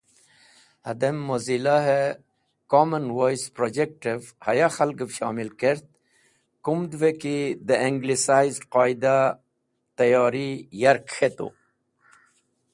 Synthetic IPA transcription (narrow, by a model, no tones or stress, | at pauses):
hɐ̰d̪emːozilaɦe | komənwojspɾod͡ʑek̚ʈivhajaxɐlɡəfɕɑːmilkeɾt̪̚ | kumd̪vekid̪əeŋɡlisajzɖqɑːid̪a | t̪ɐjɑːɾijɐɾkxet̪o̰